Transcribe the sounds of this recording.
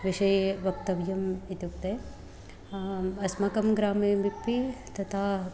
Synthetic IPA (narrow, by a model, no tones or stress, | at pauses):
ʋiʃɐjʋɐk̚t̪ɐʋjɐmit̪juk̚t̪eː | ɐsmɐkɐmɡɾaːmeːmikpit̪ɐt̪ʰaː